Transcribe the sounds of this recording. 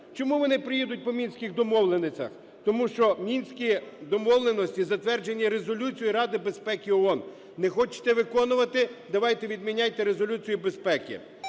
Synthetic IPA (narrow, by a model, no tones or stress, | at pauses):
t͡ʃɔmuʋɔnɪpɾɪjɛd̪ʊt̚ʲpɔmʲinʲsʲkʲɪxd̪ɔmɔʋlˠenet͡sʲɐ̰x | t̪ɔmuʃt͡ʃɔmʲinʲsʲkʲid̪ɔmɔwlˠenɔsʲtʲizɐt̪ʋɛrd͡ʒenʲːiɾe̞zɔlʲut͡sʲijiɾɑd̪ɪbespɛkʲiɔɔn | nɛxɔt͡ʃɪ̥t̪ɛʋɪkɔnʊʋɐt̪ɪd̪ɐʋɑjt̪ɛʋʲid̪mʲinʲajt̪ɛɾezɔlʲut͡sʲijibespɛkʲɪ̰